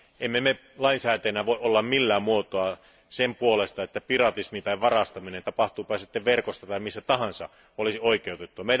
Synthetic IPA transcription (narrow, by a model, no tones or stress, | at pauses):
emːeme | lɑinsæːt̪ænæʋoˑeʔolːɑmmilːæːmmuot̪oɑ | sempuolest̪ɑet̪ːæpirɑt̪ismit̪ɑiʋʋɑrɑst̪ɑminent̪ɑpɑht̪uːpɑsit̪ːeʋʋerkost̪ɑt̪ɑimisːæt̪ɑhɑnsɑ̰ | olisioikˑeut̪et̪ːuɑmei